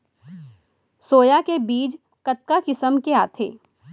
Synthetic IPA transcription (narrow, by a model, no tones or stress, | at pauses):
soːjakebiːd͡ʒ | kɐt̪̚kakɪsəmkeaːt̪ʰḛː